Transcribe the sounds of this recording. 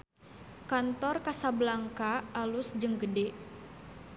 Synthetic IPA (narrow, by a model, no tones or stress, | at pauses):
kant̪ɔrkasablaŋkaːlusd͡ʒəŋɡədɛ